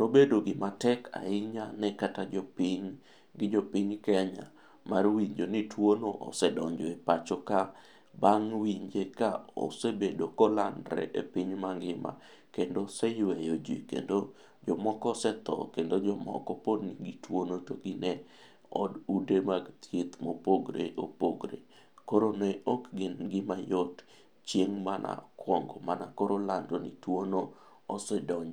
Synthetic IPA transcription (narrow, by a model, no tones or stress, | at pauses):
nobedoɡɪmatɛkʰa̰ɪɲanɛkatad͡ʒɔpiɲ | ɡɪd͡ʒopiɲkɛɲa̰ | marwiɲd͡ʒonitwonoʔɔ̰sɛdɔɲd͡ʒɔepat͡ʃoka | baŋwiɲd͡ʒekao̰sebedokɔlandɾɛ̰ʔepiɲmaŋɡɪma̰ | kendosɛjwejod͡ʒḭkḛndo | d͡ʒɔmɔkɔsɛt̪ɔ̰kendod͡ʒɔmɔ̰kɔpodniɡitwonotoɡinɛ | ɔdudemaɡtʰet̪mopoɡɾḛʔopoɡɾḛ | koɾonɛɔkɡɪnɡɪmajot | t͡ʃjeŋmanʔa̰kwɔŋɡɔmanakoɾolandonitwono | osɛdɔɲ